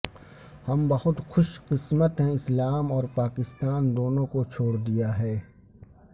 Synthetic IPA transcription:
hɐmbɐhʊt̪xʊʃqɪsmət̪ɦẽɪslaːmɔːɾpaːkɪst̪aːnd̪oːnõkot͡ʃʰoːɽd̪ijaɦɛː

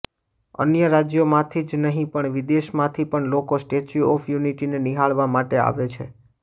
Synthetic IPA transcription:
ə̰njəɾad͡ʒjomãt̪ʰid͡ʒnəɦĩpəɳʋid̪eʃmãt̪ʰipəɳlokosʈet͡ʃuɔfʰjuniʈineniɦaɭʋamaʈea̰ʋet͡ʃʰḛ

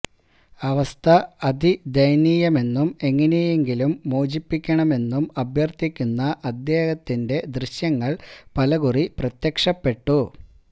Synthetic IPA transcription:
ɐʋɐst̪ʰɐɐd̪id̪ɐjniːjɐme̞nːume̞ŋːɐneje̞ŋɡilumːoːd͡ʑipːikʲːɐɳɐme̞nːumɐbʱjɐrt̪ikʲːunːɐʔɐd̪je̞ːhɐt̪ːinde̞d̪riɕjɐŋːɐɭpɐlɐɣuriprɐt̪jɐkʂɐpːe̞ʈːu

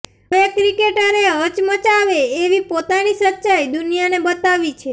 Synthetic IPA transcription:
ʋekɾikeʈəɾeɦət͡ʃmət͡ʃaʋeːʋipot̪anisətːʃajd̪unijanebət̪aʋit͡ʃʰe

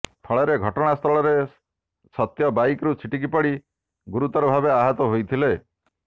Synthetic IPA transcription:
p̪ʰɔɭeɾeɡʱɔʈɔɽ̃ast̪ʰɔɭɔɾe | sɔt̪jɔbajkɾut͡ʃʰiʈikipɔɽi | ɡuɾut̪ɔɾɔbʱabeaɦɔt̪ɔɦojt̪ʰile

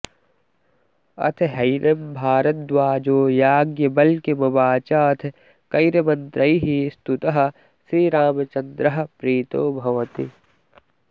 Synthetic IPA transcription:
ɐ̰t̪ʰɦɐjnɐmbʱaːɾɐt̪̚d̪waːd͡ʒoːjaːɡjɐbɐlkemɐbaːt͡ʃaɐt̪ʰ | kɐɪɾɐmɐ̃nt̪ɾɐiɦist̪ut̪ɐɦɐ̆ | sɾiɾaːmɐt͡ʃɐ̃nd̪ɾɐɦɐ̆pɾiːt̪oːbʱɐʋɐt̪i

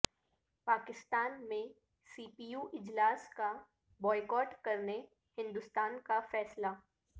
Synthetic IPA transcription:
paːkɪst̪aːnmẽ | siːpiːjuːʔɪd͡ʒlaːska | bɔːɪkɔːʈkɐɾne | hɪ̃nd̪ʊst̪aːnkafɛːsla

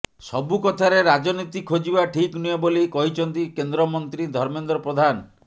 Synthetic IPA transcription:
sɔbukɔt̪ʰaɾeɾad͡ʒɔnit̪ikʰod͡ʒibaʈʰikniebolikɔɦit͡ʃʰɔnt̪ikend̪ɾɔmɔnt̪ɾid̪ʱɔɾmend̪ɾɔpɾod̪ʱan

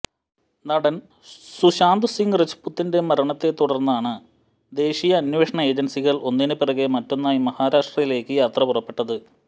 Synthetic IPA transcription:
nɐɽɐn | suɕaːnd̪ɨsiŋɡrɐt͡ɕːu̥pːut̪ːinde̞mɐɾɐɳɐt̪ːe̞t̪ːuɽɐrnːaːɳɨ | d̪e̞ːɕijɐːnʋe̞ːʂɐɳɐe̞ːd͡ʑɐnsiɣɐɭʔo̞nːinɨpirɐɣemɐtːo̞nːaːjimɐhaːɾaːʂʈrɐjile̞ːkːɨjaːt̪rɐpurɐpːe̞ʈːɐðɨ

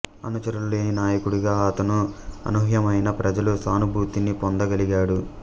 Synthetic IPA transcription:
ɐ̰nut͡ʃɐɾɐlːeːninaːjɐkuɽuɡaːɐt̪ɐnuɐ̰nuɦjɐmɐjnɐpɾɐd͡ʒɐlusaːnubʱuːt̪inipond̪ɐɡɐliɡaːɽu

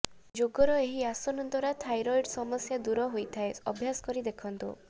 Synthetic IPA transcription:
d͡ʒoɡɔɾɔeɦiasɔnɔnt̪wɔɾat̪ʰajɾɔjɖsɔmɔsjad̪uɾɔɦojt̪ʰaeɔbʱjasɔ̥kɔɾid̪ekʰɔnt̪ṵ

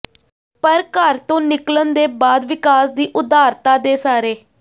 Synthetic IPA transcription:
pəɾkəɾt̪õːnɪklənd̪eːbaːd̪ʋɪkaːsd̪iːʔʊd̪aːɾt̪aːd̪eːsaːɾeː

